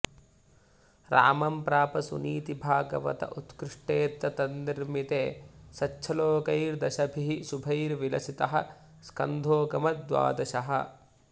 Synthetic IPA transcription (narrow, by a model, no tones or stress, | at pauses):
ɾa̰ːmɐmpɾaːpɐsṵniːt̪ibʱaːɡɐʋɐ̰t̪ɐ̰ʔut̪kɾiʂʈeːt̪ːɐt̪ɐnd̪iɾmit̪eːsɐtːʃʰɐloːkɐjɾd̪ɐʃɐbʱiɦisubʱɐjɾʋilɐsit̪ɐɦɐ̰ | skɐ̰nd̪ʱoːkɐmɐd̪ʋa̰ːd̪ɐʃɐɦɐ̰̆